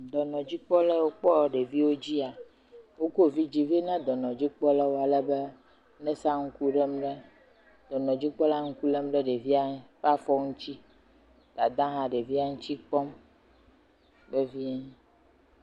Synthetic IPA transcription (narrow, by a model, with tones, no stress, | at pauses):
d̪ɔ˨nɔ̃˨d͡ʑi˦k͡pɔ˦lɛ˦wo˦k͡pɔ˦˨ɖe˨vi˦wo˦d͡ʑi˦a˨ | wo˦ko˦vi˦d͡ʑi˦vi˦nã˦d̪ɔ˨nɔ̃˨d͡ʑi˦k͡pɔ˦la˦wo˦˨a˨lɛ˦be˦ | nɛ̃˦sa˦ŋ̩˦ku˦ɖɛ˦m˦ɖe˦ | d̪ɔ˨nɔ̃˨d͡ʑi˦k͡pɔ˦la˦ŋ̩˦ku˦lɛ˦m˦ɖɛ˦ɖe˨vi˦a˦fa˦fɔ˦ŋũ˦t͡ɕi˦ | d̪̥a˨d̪ã˦ɦã˨ɖe˨vi˦a˦ŋũ˦t͡ɕi˦k͡pɔ˦m | be˦vi˦ɛ˦